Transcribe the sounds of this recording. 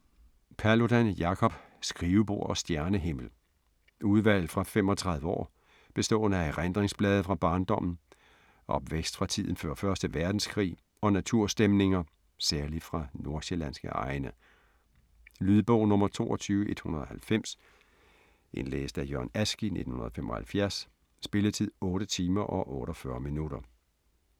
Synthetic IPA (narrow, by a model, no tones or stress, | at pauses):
pʰæɐlo̝d̥ænjɑ̈kʰɒ̽b̥ | sɡ̥ʁiːʊb̥o̝ɐ̰ɒ̽sd̥jæɐnəɦe̝m̰l̩ | ʔuð̞ˠʋæl̰fʁɑ̈femɒ̽t͡sʰʁɑ̈ðˠʋˠəɒ̰ː | b̥e̝sd̥ɔ̰̽ːnəæʁend̥ʁeŋsb̥lɛːð̞̩ˠəfʁɑ̈b̥ɑ̈ːnd̥ɒ̽m̰n̩ | ʔɒ̽b̥ʋeɡ̥sd̥fʁɑ̈t͡sʰið̞̰ˠn̩fø̰ːɐfɶɐsd̥əʋæɐd̥n̩skʰʁḭː | ɒ̽næt͡sʰuɐ̰sd̥emne̝ŋɐ | sæɐlifʁɑ̈no̝ɐ̰selæn̰sɡ̥ə̰ɑ̈ɪnə | lyðˠb̥ɔʊnɔ̽mɐt͡sʰo̝̰ːɒt͡sʰyːʊəʔe̝d̥hunɐðˠɒ̽hælfem̰s | ʔe̝nlḛːsd̥æjœɐnæsɡ̥ine̝d̥n̩hunɐð̩ˠfem̰ʔɒ̽hælfjæɐ̰sː | b̥e̝lət͡sʰið̰ˠɔ̽ːɾət͡sʰiːmɐʔɒ̽ʔɔ̽ːɾ̥ɒfɶːɐminuɾ̥ɐ